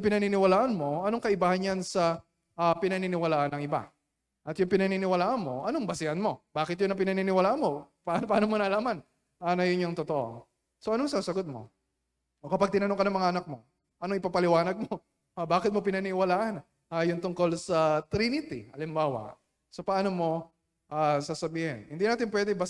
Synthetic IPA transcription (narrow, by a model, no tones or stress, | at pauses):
jʊŋpɪnɐninɪwɐlaːʔɐnmo̞ɐnoŋkɐʔɪbaːhɐnjansɐ | ʔapɪnɐninɪwɐlaːʔɐnɐŋʔɪba̰ | ʔɐt̪jʊŋpɪnɐninɪwɐlaːʔɐnmo̞̰ʔɐnoŋbɐsɪhɐnmo̞baːkɪt̪jʊnɐp̬ɪnɐninɪwɐlaːʔɐnmo̞pɐnpɐʔaːnomonɐlaːman | aːnɐjʊnɲoŋt̪ot̪oʔo̰ | soʔɐnoŋsaːsɐɡot̪̚mo̞̰ | ʔokɐpaɡ̚t̪ɪnɐnoŋkɐnɐŋmɐŋaʔɐnak̚mo̞ | ʔɐnoʔɪpapɐlɪwaːnɐɡ̚mo | ʔabaːkɪt̪̚mo̞pɪnɐnɪwɐlaːʔɐn | ʔajʊnt̪ʊŋko̞lsɐt̪ɾinɪt̪ɪ̰ʔɐlɪmbaːwɐ̰ | sɐpɐʔaːnomo̞ | ʔasaːsɐbiːhɛnhɪnd̪inaːt̪ɪnpwɛd̪ɛbɐ